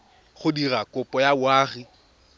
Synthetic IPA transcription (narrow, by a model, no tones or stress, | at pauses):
χʊdirakʼʊpʼɔjawaːχi